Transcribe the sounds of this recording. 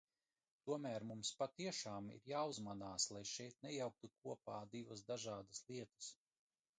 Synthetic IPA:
t̪uɔmæːɾmumspat̪iɛʃaːmḭɾjaːuzmanaːslˠajʃɛjt̪̚nɛjawk̚t̪ukuɔpaːd̪ivas̬d̪aʒaːd̪aslˠiɛt̪ɐ̥s

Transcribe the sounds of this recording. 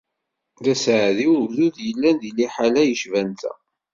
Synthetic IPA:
ðæsʕðiwuvðuðjəlːænd̪ilːiħalæjəʃvænt̪ʰæ̰

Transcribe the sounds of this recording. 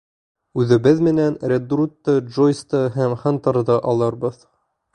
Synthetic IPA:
ʉðɘ̆bɘðmɘ̆nænɾʲed̪rut̪ːɤdʒojst̪ɤɦæmχɑnt̪ɑɾðɤʔɑlˠɤɾβɤð

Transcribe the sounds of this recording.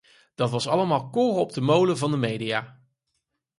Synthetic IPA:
d̥ɑtʋɑsɑləmaːlˠkoːrɔb̚dəmowləvɑndəmejdijaː

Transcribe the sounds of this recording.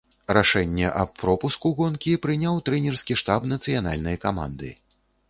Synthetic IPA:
raʂɛnʲːɛʔɐppːɾɔpuskuɣɔnkʲipɾɨnʲawt̪ɾɛnʲɛrskʲiʂt̪apnɐt̪sɨjana̰lʲnɐjkama̰nd̪ɨ̰

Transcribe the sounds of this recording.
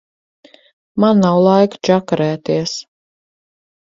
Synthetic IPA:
manːawlˠajkt͡ʃakɾæːt̪iɛs

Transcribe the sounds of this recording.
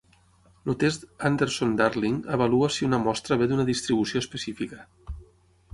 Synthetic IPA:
lut̪est̪and̪eɾsond̪aɾliŋəβaluasiunəmɔst̪ɾəβed̪unəðist̪ɾiβusioəspəsifikə

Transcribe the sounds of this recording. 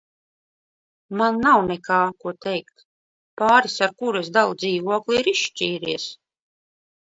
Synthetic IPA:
manːawnekaːkuɔt̪ɛjkt̪ | paːɾisaɾkuɾesd̪alˠd̪ziːvuɔklˠiiɾiʃʃt͡ʃʲiːɾiɛs

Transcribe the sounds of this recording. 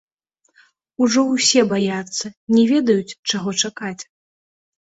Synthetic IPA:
uʐɔwsʲɛbajat̪sːɐnʲɛvʲɛd̪ɐjut͡sʲt͡ʂaɣɔt͡ʂakat͡sʲ

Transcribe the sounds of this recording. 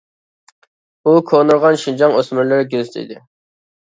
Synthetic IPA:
ukʰonɨɾʁɑnʃind͡ʒɑŋøsmyɾlɪɾɪɡʲøzt̪ʰɪ̰d̪ɪ

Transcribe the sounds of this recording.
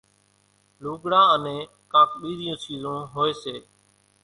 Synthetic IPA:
luːɡɽaːənẽː | kãːk̚ɓiːɾɪjõːt͡ʃiːzõːɦoːeːseː

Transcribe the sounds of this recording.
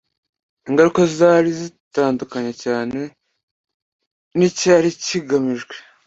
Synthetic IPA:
iŋɡaɾukozaːɾizitaːndukaɲecaːne̞ | nicaːɾiciɡamiʒɡwe

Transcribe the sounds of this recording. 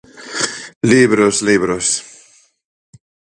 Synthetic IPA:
liβɾosliβɾos

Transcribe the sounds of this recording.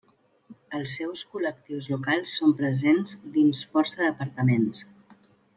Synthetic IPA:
əlˠsːɛwskulək̚t̪iwzlukalˠsːompɾəzenzd̪insfɔɾsəðəpəɾt̪əmens

